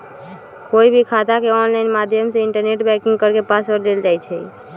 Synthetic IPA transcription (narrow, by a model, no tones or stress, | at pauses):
koibʱikʰat̪akeɔnlajnmad̪ʱjəmseiɳʈəɾneʈbɛkĩŋɡ̚kəɾkepaspəɾd̪eld͡ʒajt͡ʃʰɛ